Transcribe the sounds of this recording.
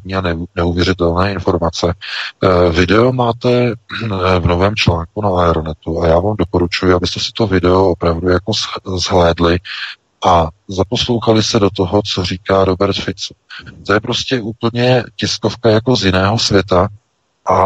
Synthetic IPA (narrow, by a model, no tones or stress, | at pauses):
ɲiːanɛuvjɛɾɪt̪ɛlnɛːɪnfo̞ɾmat͡sɛ | vɪdɛo̞maːt̪ɛ | vno̞vɛːmt͡ʃlaːŋkunaaɛɾonɛt̪uajaːvaːmdo̞po̞ɾut͡ʃujʊabɪst̪ɛsɪ̥t̪o̞vɪdɛoopɾavdujako̞zzɦlɛːdlɪ | ʔazapo̞slowxalɪst̪ɛdo̞t̪̬o̞ɦo̞t͡so̞r̝iːkaːɾo̞bɛɾt̪fɪt͡su̥t̪ojɛpɾo̞scɛʔuːpl̩ɲɛcɪsko̞fkajako̞zjɪnɛːɦo̞svjɛt̪a | ʔa